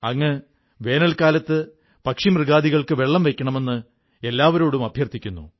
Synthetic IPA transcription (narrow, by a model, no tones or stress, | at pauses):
ɐŋːe | ʋe̞ːnɐlkaːlɐt̪ːɨ | pɐkʂimrɨɣaːd̪iɣɐɭkɨʋe̞ɭːɐmʋe̞kʲːɐɳɐme̞nːɨ | e̞lːaːʋɐɾo̞ːɽumɐbʱjɐrt̪ʰikʲːunːṵ